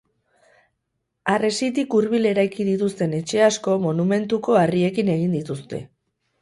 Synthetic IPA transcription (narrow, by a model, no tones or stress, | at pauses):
aresit̪ikuɾβile̞ɾajkið̞it̪ust̪e̞ne̞t͡ʃe̞asko̞mo̞nume̞nt̪uko̞arie̞kine̞ɣ̞ind̪it̪ust̪e̞̰